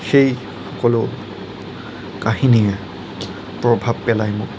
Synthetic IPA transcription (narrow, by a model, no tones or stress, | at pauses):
xej | xɔkɔlo | kaɦiniɛ | pɹɔbʱabpɛlajmʊk